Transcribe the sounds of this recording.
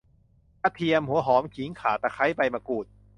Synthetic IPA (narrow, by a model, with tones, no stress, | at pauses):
a˧˩t̪ʰi˧əmhu˩˦ɐɦɔː˩˦mkʰi˨˩˦ŋkʰaː˨˩˦t̪aː˧˩kʰa˦˥jpa˧jmaː˧kuː˨˩t̪̚